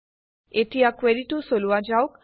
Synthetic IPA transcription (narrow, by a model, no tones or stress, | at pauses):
etijakweɾiʈusoluad͡ʒawk